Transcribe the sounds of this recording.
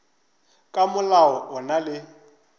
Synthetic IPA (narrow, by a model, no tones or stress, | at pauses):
kʼamʊlaɔʔʊnalɪ